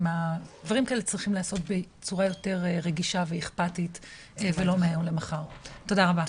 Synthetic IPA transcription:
madvaʁimkaelet͡sʁiχimlaːso̞tbe | t͡suʁajo̞te̞ʁeʁeɡiʃaveiχpatit | evelo̞meemlemaχaʁto̞daʁaba

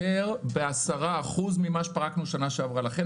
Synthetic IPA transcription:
eʁbeasaʁaːχuzmimaʃpaʁaknuʃanaʃeavʁalaχe

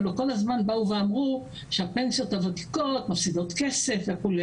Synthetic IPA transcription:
loko̞lazmanbauveamʁu | ʃeape̞nsijo̞thavati̥ko̞tmafsido̞t̪ke̞se̞fvekule

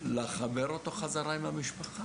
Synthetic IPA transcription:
leχabe̞ɾo̞t̪o̞χazaʁaimamiʃpaχa

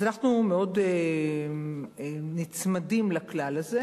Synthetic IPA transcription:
anaχnumeo̞de | nit͡smadimlaklalaze̞

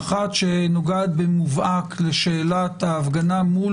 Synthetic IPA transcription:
χat̪ʃenoɡad̪̚bemuvʔakleʃeːlat̪aːvɡanamul

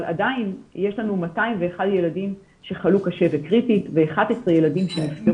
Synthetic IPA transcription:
ala̰dainjeʃlanumataimveːχadje̞ladim | ʃe̞χalukaʃe̞vekʁititveːχadesʁejeladimʃemifte

